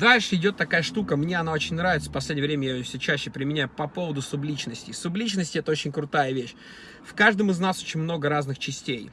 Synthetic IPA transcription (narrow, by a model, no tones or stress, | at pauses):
d̪alʲʂɨɪdʲo̞t̪ːɐkajəʂt̪ukəmnʲeɐnao̞t͡ɕɪnʲnɾavʲɪt̪sə̥pɐsʲlʲedʲjəvɾʲemʲəjajfsʲɵt͡ɕæɕːɪpɾʲɪmʲɪnʲæjʊpɐpo̞vəd̪ʊsʊblʲit͡ɕnəsʲtʲɪsʊblʲit͡ɕnəsʲtʲɪɛt̪əo̞t͡ɕɪnʲkɾʊt̪ajəvʲeɕ | fkaʐd̪əmɨznaso̞t͡ɕɪnʲmno̞ɡəɾaznɨxt͡ɕɪsʲtʲej